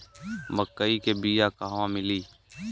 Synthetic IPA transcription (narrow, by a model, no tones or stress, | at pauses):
məkːəiːkeːbiːjaːkaːʋãːmɪliː